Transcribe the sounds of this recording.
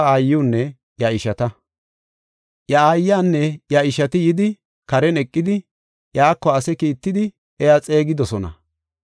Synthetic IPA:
aːjːuːnːɛ | jɐɪʃɐt̪ɐ | jɐaːjːaːnːɛjɐɪʃɐt̪ɪjɪd̪ɪ | kɐɾɛnɛkʼːɪd̪ɪ | jaːkːɔɐsɛkiːt̪ːɪd̪ɪ | ɛjat͡sʼe̞ːɡɪd̪ɔsɔnɐ̰

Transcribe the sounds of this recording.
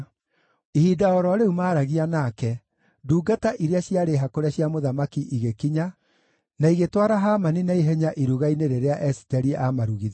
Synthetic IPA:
ihiːdaɔɾɔɾeumaːɾaɣianakɛ | duːɡataʔiɾeaɕiaɾeɦakoɾaɕiamoðamakiʔiɣekiɲa | naiɣetwaɾaɦamaninaiɦɛɲaʔiɾuɣaineɾeɾeaʔɛsi̥tɛɾiʔamaɾuɣið

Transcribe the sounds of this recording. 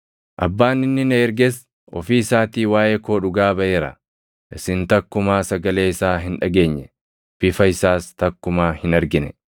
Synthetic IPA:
ʔɐ̰bːaːnːɪnːɪnɛɛɾɡɛs | ʔɔ̰fiːɪsaːt̪iːwaːjekoːᶑʊɡaːbɐʔeːɾɐ̰ | ʔɪsɪnt̪ɐkːʊmaːsɐɡɐle̞ːɪsaːɦɪnᶑɐɡe̞ːɲːɛ | b̥ɪfɐɪsaːst̪ɐkːʊmaːhɪnɐɾɡɪnɛ

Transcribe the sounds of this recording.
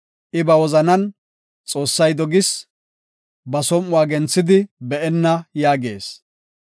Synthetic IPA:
ʔɪbɐwɔzɐnɐn | t͡sʼo̞ːsːɐjd̪ɔɡɪs | bɐsɔmʊwaːɡɛnt͡sːɪd̪ɪbɛʔɛnːɐjaːɡe̞̰ːs

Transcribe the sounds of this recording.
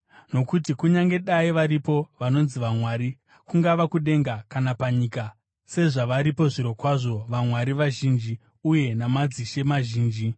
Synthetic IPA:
no̞kutikuɲaŋɡe̞ɗaiʋaɾipo̞ʋano̞nziʋamwaːɾi | kuŋɡaʋakuɗe̞ŋɡakanapaɲiːka | se̞ʐaʋaɾipo̞ʐiɾo̞kwaʐo̞ʋamwaɾiʋaʒiːnd͡ʒi | uje̞namad͡ziʃe̞maʒiːnd͡ʒi

